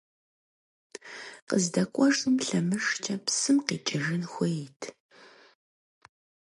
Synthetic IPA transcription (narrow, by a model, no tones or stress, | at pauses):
qəzdɐkʷʼɔʂʼɨmɬɐmɨʂt͡ʃʰɐpsɨmqḭːt͡ʃʼɐʒɨnxʷɔjɪtʰ